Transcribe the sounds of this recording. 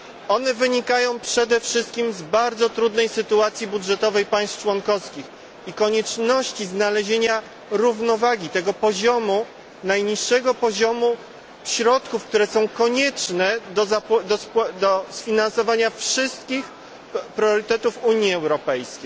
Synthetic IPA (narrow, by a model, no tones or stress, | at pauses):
ɔnɛvɘɲikajɔ̃w̃pʂɛd̪ɛfʂɘst̪̚kʲimzbaɾd̪zɔt̪ɾud̪nɛjsɘt̪uat̪sʲjibudʐɛt̪ɔvɛjpaj̃st̪t͡ʂwɔnkɔfskʲix | ikɔɲɛt͡ʂnɔɕt͡ɕiznalɛʑeɲa | ɾuvnɔvaɡʲit̪ɛɡɔpɔʑɔmu | najɲiʂːɛɡɔpɔʑɔmu | ɕɾɔt̪kufk̚t̪uɾɛsɔ̃w̃kɔɲɛt͡ʂnɛd̪ɔzapd̪ɔspd̪ɔsfʲinansɔvaɲafʂɘst̪̚kʲix | pɾʲjɔɾɘt̪ɛt̪ufuɲjiɛwɾɔpɛjskʲej